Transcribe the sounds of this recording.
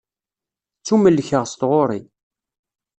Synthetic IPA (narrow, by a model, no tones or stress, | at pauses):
t͡sːuməlːçəʁst̪ʁoɾˤi